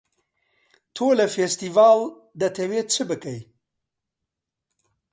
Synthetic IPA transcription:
t̪ʰoːlɐfeːst̪ivaːl | d̪ɐt̪ʰɐweːt͡ʃʰɨbɨkɐj

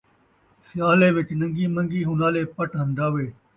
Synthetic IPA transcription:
sɪjaːleːʋɪt͡ʃnə̃ŋɡiːmə̃ŋɡiːɦʊnaːleːpəʈɦə̃nd̪aːʋeː

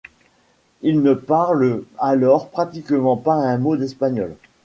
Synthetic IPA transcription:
ilnəpaʁlalɔʁpχat̪ikmɑ̃paɛ̃mod̪ɛspaɲɔl

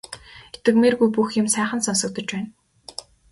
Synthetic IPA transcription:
et̪ɘ̆kmerɣujp̬uxjɪ̆msæːχə̆nsɔnsɞ̆k̚t̪ɞ̆t͡ɕpæːn

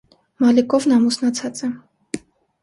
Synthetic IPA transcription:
mɑlikɔvnɑmusnɑt͡sʰɑt͡sɛ

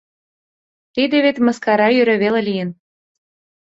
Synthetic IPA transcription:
t̪id̪eβet̪mɤ̆skɑɾɑjyɾɘ̆βelelijə̆n

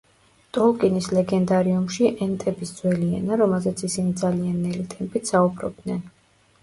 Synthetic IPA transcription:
t̪ʼɔlˠkʼinislɛɡɛnd̪aɾiumʃiʔɛnt̪ʼɛbisd̪z̥wɛliɛ̰naɾɔmɛlˠzɛt̪sʰisinid̪zalianːɛlit̪ʼɛmpʼit̪saubɾɔ̰b̚d̪nɛn

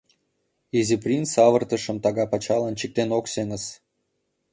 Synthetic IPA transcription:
ezʲiprʲint͡sːɑvərt̪ə̆ʃə̆mt̪ɑɣɑpɑt͡ɕɑlɑnt͡ɕik̚t̪enokseŋə̆s

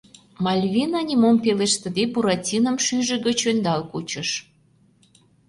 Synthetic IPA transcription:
mɑlʲβʲinɑnʲimompeleʃt̪ə̆d̪ebuɾɑtʲinə̆mʃyʒə̆ɡə̆t͡ɕønd̪ɑlkut͡ɕə̆ʃ

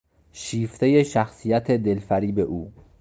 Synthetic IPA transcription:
ʃiːft̪ʰe̞je̞ʃæxsijæt̪ʰed̪e̞lfæɾiːbeʔuː

